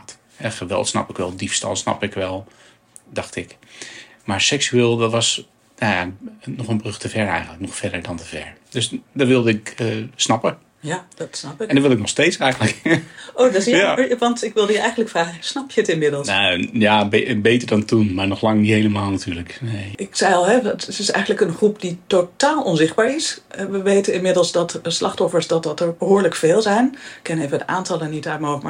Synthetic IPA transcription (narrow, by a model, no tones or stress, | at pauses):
t | hɛχəʋɛ̰lˠtsnɑ̰pɪkʋɛlˠdifstɑ̰lˠsnɑ̰pɪkʋɛlˠ | dɑxtɪk | maɹsɛksyeːlˠdɔtʋɑs | najanɔxənbrøxtəvɛɹɛjɣəntləknɔxfɛdəɹdɔntəvɛ̰ɹ | døsdɔtʋɪlˠdəɪkːsnɑpə | jd̥tsnɑpɪɛndɔʋɪlˠɪknɔxsteːtt͡ssɛjɣənləkoːdɔsʋɑntɪkʋɪlˠdəjəɛjən̩dləkfraːɣəsnɑpjəətɪnmɪdəlˠajabebeːtərdɔntunmaɹnɔxlɑŋdiɦejləmaːlˠnatʰyːləkneɪksɛjɔlˠɦɛətɪsɛ̰jɣəndləkənχrupd̥itotaːlˠɔnzɪχ̚baːɹɪsʋəʋeːtənɪnmɪdəl̩ˠsdɑtslʔɑχtɔfəɹsdɑtdɑtəɹbəɦoːɹləkfeːlˠzɛjnɪkʰːɪneːvədəaːntɑlˠənitœɥt̚moma